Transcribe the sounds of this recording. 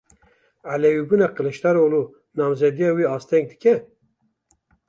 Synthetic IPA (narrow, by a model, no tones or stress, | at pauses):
ʕalɛwibunaqəlɛʃt̪aɾoːlu | nɑːmzɛd̪ijɑwiɑːst̪ʰɛŋɡ̚d̪ɨkɛ